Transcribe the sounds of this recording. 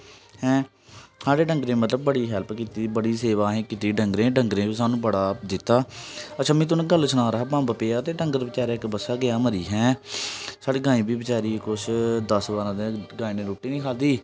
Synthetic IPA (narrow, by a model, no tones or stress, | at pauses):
hɛ̃ː | saːɽeːɖəŋɡɾẽːmət̪ləb̚ːəɽiːɦɛlpkiːt̪iːbəɽiːseːʋaːɦẽːkɪt̪iːɖəŋɡɾẽːɖəŋɡɾẽːbiːs̬aːnũːbəɽaːd̪ɪt̪ːaːətːʃʰaːmɛ̃ːt̪̬ʊñːɡəlsʊnaːɾəɦaːbãːbəpeːaːt̪eːɖəŋɡəɾbət͡ʃaːɾeːɪkbəsaːɡɪaːməɾiːɦɛ̃ː | saːɽiːɡãːĩːbiːbət͡ʃaːɾiːkʊʃʰd̪əsbaːɾãːd̪eɡaːĩːnẽːɾoːʈːiːnĩːkʰaːld̪iː